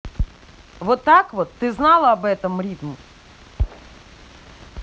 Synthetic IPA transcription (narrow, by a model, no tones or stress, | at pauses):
vot̪ːakvot̪ːɨznɑlˠəɐbɛt̪əmrʲit̪mɪ